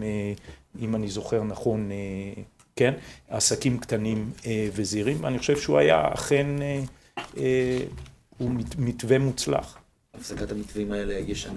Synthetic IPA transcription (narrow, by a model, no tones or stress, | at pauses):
eimanizo̞χe̞ʁnaχo̞ne | kena̰sakimkt̪animeve̞ziʁimveaniχoʃevʃeuaja̰a̰χe̞ne | e | uimitve̞mut͡sla̰χ | afsakat̪amit̪vimaelejɛʃan